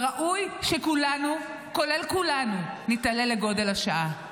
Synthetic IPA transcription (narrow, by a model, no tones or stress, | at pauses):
ʁaʔujʃekulanu | ko̞le̞lkulanunitale̞le̞ɡo̞de̞laʃaʔa